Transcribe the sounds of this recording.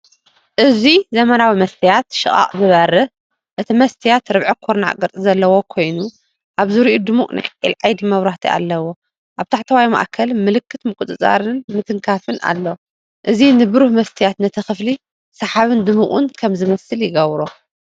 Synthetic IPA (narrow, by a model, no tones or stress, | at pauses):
ʔɨzizɐmɐnawimɐst̪ʰijat̪ʃɨχʼa̰χʼzɨβɐɾɐ | ʔɨt̪ʰimɐst̪ʰijat̪ɾɨβʕɨkʰoɾna̰ʔkʼɨɾt͡sʼɨzɐlːɐwokʰo̞jnu | ʔaβzɨɾiʔud̪ɨmukʼnʔa̰jʕḭlʕajd̪imɐβɾaht̪ʰiʔa̰lːɐwo | ʔaβt̪ʰaħt̪ʰɐwajma̰ʔkʰɐlmɨlɨkʰːɨt̪mɨkʼut̪ʼɨt͡sʼa̰ɾɨnmɨt̪ʰɨŋkʰafɨnʔa̰lːo | ʔɨzinɨbɨɾuhmɐst̪ʰɨjat̪nɐt̪ʰɐxɨfli | sɐħaβɨnd̪ɨmuʔʼṵnkʰɐmzɨmɐsɨljɪɡɐβɾo